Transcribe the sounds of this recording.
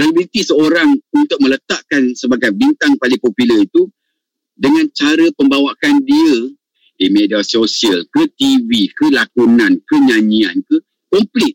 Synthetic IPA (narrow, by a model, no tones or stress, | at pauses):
alibilit̪isəoɾaŋunt̪ʊk̚mə̃lət̪aʔkansəbaɡajbint̪aŋpalɪŋpopiləit̪u | dəŋãnt͡ʃaɾəpəmbawakandiə | dimediasosiəlkət̪ivikəlakunãnkəɲãɲiankə | kɔmplɪt̪̚